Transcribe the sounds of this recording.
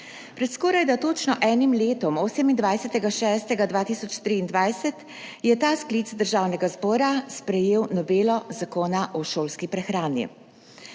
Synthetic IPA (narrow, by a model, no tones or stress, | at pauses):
pɾɛt̪skɔːɾajd̪at̪oːt͡ʃnɔʔɛːnimleːt̪ɔmoːsɛmind̪ʋajsɛt̪ɛɡaʃɛːst̪ɛɡad̪ʋaːt̪iːsɔt͡ʃt̪ɾiːnd̪ʋajsɛt̪ | jɛt̪aːskliːt̪zd̪əɾʒaːwnɛɡazbɔːɾaspɾɛjeːwnɔbeːlɔzakoːnaʔɔʃoːlskipɾɛxɾaːnḭ